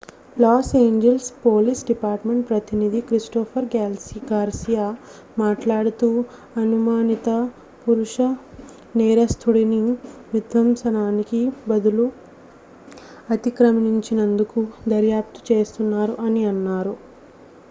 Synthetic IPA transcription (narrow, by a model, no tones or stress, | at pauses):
laːseːɲd͡ʒelspoːlisɖipaːɾʈme̞ɳʈ̚pɾɐt̪inid̪ʱikɾisʈɔːpʰɐɾɡlɡaːɾsijaː | maːʈlaːɽut̪uː | ɐnumaːnit̪ɐ | puɾuʂɐ | nɛːɾɐst̪ʰuɽiniʋjud̪ʋɐmsɐnaːnikibɐd̪ulu | ɐt̪ikɾɐmiɲt͡ʃinɐnd̪ukud̪ɐɾjaːp̚t̪u̥t͡ʃe̞ːst̪unːaːɾuʔɐniɐnːaːɾu